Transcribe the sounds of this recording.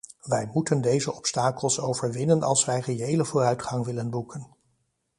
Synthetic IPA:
ʋɛjmutəndejzəʔɔpstaːkəlˠsowvəɹʋɪnənʔɑ̰lˠsʋɛjreejləvʊːrœɥtχɑŋʋɪlənbukʰən

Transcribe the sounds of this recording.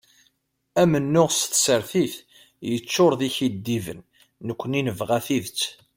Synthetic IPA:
æmənːʊʁsθsəɾθiθ | jət͡ʃːʊɾˤðiçid̪ːivə̰nː | əkʷːəninəvʁæθiðt͡sː

